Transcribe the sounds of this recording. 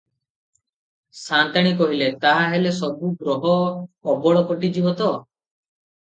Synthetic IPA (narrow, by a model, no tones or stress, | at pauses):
sant̪aɽ̃ikɔɦilet̪aɦaɦelesɔbuɡɾɔɦɔɔbɔɭɔkɔʈid͡ʒibɔt̪ɔ